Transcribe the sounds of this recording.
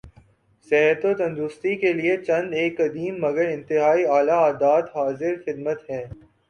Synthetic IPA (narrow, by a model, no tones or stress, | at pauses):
sɛɦt̪ot̪ɐ̃nd̪ʊst̪ikeliet͡ʃɐ̃nd̪eːkːɐd̪iːmːɐɡəɾɪ̃nt̪ɪɦaːiaːlaaːd̪aːt̪ɦaːzɪɾxɪd̪mət̪ɦɛ̃ː